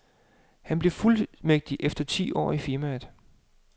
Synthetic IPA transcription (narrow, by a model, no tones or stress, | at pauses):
hænb̥le̝fulmeɡ̥̚d̥iʔefd̥ɐt͡sʰḭːʔɒ̰ːifiɐmæð̥ˠ